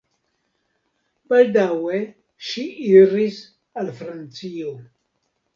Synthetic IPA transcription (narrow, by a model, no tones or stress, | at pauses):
baldawe | ʃiʔiɾis | alfɾant͡sio